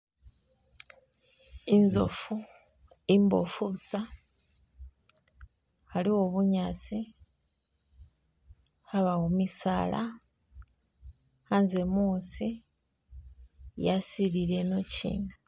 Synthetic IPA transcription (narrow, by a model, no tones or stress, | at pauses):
inzo̰fu | imbo̞̰fuβusa | haliwo̞βuɲasi | haβawomisaːla̰ | hanze̞muːsi | jasiliɾe̞no̞cḭːna